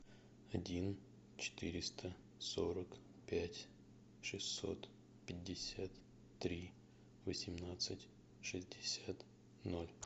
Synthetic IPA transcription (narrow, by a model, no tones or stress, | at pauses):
ɐdʲin | t͡ɕɪ̥t̪ɨɾʲɪst̪ə | so̞ɾək | pʲætʲ | ʂɨsʲːo̞̰t̪ | pʲɪdʲːɪsʲat̪ː | ɾʲi | vəsʲɪmnat̪sɨtʲ | ʂɨzʲdʲɪsʲat̪ | nolʲ